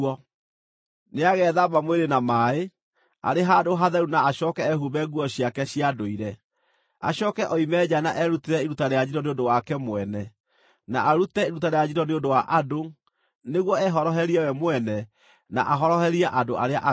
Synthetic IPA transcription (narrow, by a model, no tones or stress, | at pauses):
ɔ | neaɣɛːðamamweɾenamaːe | a̰ɾeɦadoɦaðɛɾunaːɕɔkɛɛɦuβɛɡuɔɕjakɛɕiadoiɾɛ | a̰ɕɔkɛʔɔimɛd͡ʑanaʔɛɾuteɾɛiɾutaɾead͡ʑiɾɔneondowakɛmwɛnɛ | naʔaɾutɛeɾutaɾejad͡ʑiɾɔneondowaʔado | neɣwɔɛɦɔɾɔɦɛɾiɛwɛmwɛnɛ | na̰ʔaɦɔɾɔɦɛɾiaʔadoʔaɾeaʔa